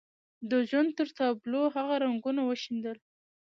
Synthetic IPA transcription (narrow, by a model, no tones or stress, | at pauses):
d̪əʒwand̪̚t̪əɾt̪ɑbloɦaɣaɾaŋɡunawəʃind̪əl